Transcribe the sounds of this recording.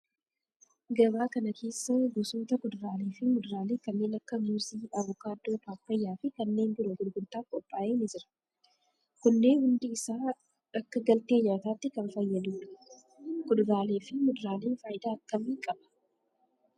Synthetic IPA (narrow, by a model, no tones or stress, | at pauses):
ɡɐbaːkɐnɐkʰe̞ːsːɐɡʊsuːt̪ɐkʊd̪ʊɾaːleːfɪmʊd̪ʊɾaːleːkɐnːe̞ːnɐkːɐmuːsiːɐβʊkaːd̪ːoːpaːpːɐjːaːfɪkɐnːe̞ːnbɪɾʊkʊd̪ʊɡʊnt̪aːkʼɔpʼːaːʔeːnɪd͡ʒɪɾɐ̥ | kʊnːe̞ːnhʊnd̪ɪːsaː | ɐkːɐɡɐlt̪e̞ːɲaːt̪aːt̪ːɪkɐnfɐjːɐd̪uːᶑɐ̥ | kʊd̪ʊɾaːle̞ːfɪmʊd̪ʊɾaːle̞ːnfaːjɪd̪aːɐkːɐmiːkʼɐb̥ɐ̥